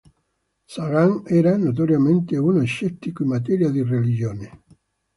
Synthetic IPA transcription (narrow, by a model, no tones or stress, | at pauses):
saɣaŋɛɾanot̪̬oɾjament̪eunoeʃːɛt̪ːikoimːat̪̬ɛɾjad̪irelid͡ʒjoːne